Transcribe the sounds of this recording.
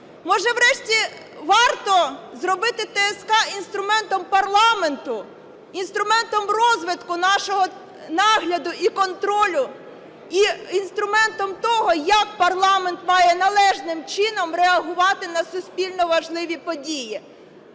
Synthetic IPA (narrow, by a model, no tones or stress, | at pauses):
mɔʒɛʋɾɛʃtʲi | ʋɑrt̪ɔzɾɔbɪt̪ɪt̪ɛɛskɑinst̪ɾʊmɛnt̪ɔmpɐrlˠɑment̪ʊ | inst̪ɾʊmɛnt̪ɔmrɔzʋɪt̪kʊnɑʃɔɦɔ | nɑɦlʲɐd̪ʊʔikɔnt̪ɾɔlʲʊ | iinst̪ɾʊmɛnt̪ɔmt̪ɔɦɔjɐk̚pɐrlˠɑment̪mɑjɛnɐlˠɛʒnɪmt͡ʃɪnɔmɾeɐɦʊʋɑt̪ɪnɐsʊsʲpʲilʲnɔʋɐʒlˠɪʋʲipɔdʲiji